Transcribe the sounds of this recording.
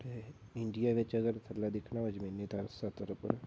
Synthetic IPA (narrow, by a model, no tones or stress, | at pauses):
t̪eɪɳɖijaːʋɪt͡ʃəɡəɾt̪ʰəlːaːd̪ɪkʰnaːʋəd͡ʒəmiːnːiːt̪ʰəɾsat̪əɾəpə̰ɾ